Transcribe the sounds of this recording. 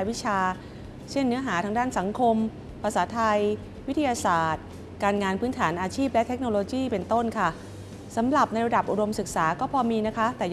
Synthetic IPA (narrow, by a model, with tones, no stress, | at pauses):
wi˦˥t͡ɕʰaː˧ | t͡ɕʰe˥˩nːɯ˦˥ɐɦaː˩˦t̪ʰa˧ŋdaː˥˩nsa˩˦ŋkʰo˧m | pʰa˧saː˩˦t̪ʰa˧j | wi˦˥t̪ʰi˧jaː˧saː˨˩t̪̚ | kaː˧nŋaː˧npʰɯː˦˥nt̪ʰaː˩˦nʔaː˧t͡ɕʰiː˥˩p̚lɛ˦˥t̪ʰe˦˥k̚noː˧loː˧jiː˥˩pe˧nt̪o˥˩nkʰa˥˩ | sa˩˦mɾa˨˩p̚na˧jɾa˧da˨˩p̚ʔu˧do˧msɯ˨˩k̚saː˩˦kɔː˥˩pʰɔː˧miː˧na˦˥kʰa˦˥t̪ɛː˨˩